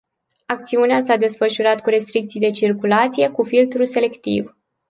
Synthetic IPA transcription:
ak̚t̪siuneasad̪e̞sfəʃuɾat̪kuɾe̞st̪ɾikt̪sijd̪e̞t͡ʃirkulat̪sije̞kufilt̪ɾuse̞le̞kt̪ḭv

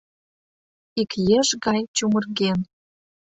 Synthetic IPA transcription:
ikjeʒɣɑjt͡ɕumə̆rɣen

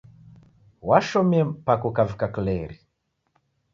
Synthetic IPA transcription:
waʃɔmiɛmpakukavikaklɛɾi

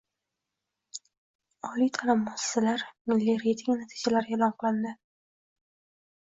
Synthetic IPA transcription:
ɒlijt̪ʰalamːɑsɪ̥salaɾmɪlːiɾejt̪ʰɪŋnat̪ʰi̥d͡ʒalaɾelɒnqɨlˠɪnd̪ɪ

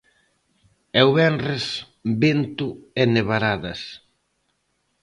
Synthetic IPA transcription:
ɛwβɛnres | bent̪ʊeneβaɾaðɐs

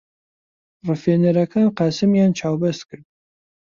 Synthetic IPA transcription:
rɨfeːnɐɾɐkʰɐwqɑːsɨmjaːnt͡ʃʰaːwbɐskɨr̚

